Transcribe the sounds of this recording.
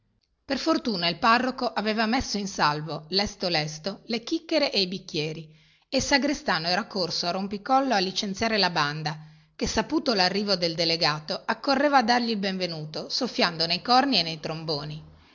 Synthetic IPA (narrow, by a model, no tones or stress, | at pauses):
perfort̪uːnailparːokoʔaveːvamesːoinsalvolɛst̪olɛst̪olek̟ikːeɾeʔeibikːjɛːɾi | esaɡɾest̪aːnoɛːɾakorsoarompikɔlːoalːit͡ʃent̪sjaːɾelaband̪a | kesːapuːt̪olarːiːvod̪eld̪eleɡaːt̪oakːorːeːvaːd̪ːarʎilbeɱvenuːt̪osofːjand̪onejkɔrnienːejt̪ɾomboːni